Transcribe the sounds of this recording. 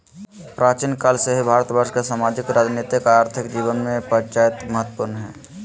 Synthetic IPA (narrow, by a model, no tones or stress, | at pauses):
pɾaːt͡ʃinkaːlseɦibʱaːɾt̪bəɾʃkesaːmaːd͡ʒɪkɾaːd͡ʒnit̪ɪkaaːɾt̪ʰɪkd͡ʒiːʋənmẽpənt͡ʃaːjət̪məɦət̪ːpuɾnɦɛː